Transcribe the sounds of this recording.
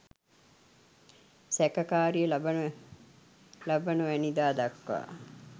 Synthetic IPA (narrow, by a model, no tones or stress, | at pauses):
sækɐkaːɾijəlb | labɐnuʋænid̪aːd̪ɐkːʋa̰ː